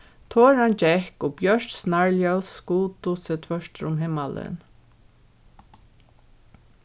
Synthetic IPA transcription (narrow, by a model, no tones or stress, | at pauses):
t̪ʰoːɹant͡ʃɛhkʊbjœʃtsnaɹljalskuːt̪ʊsɛt̪ʰvœʃt̪ɾʊmɦɪmalɪ̰n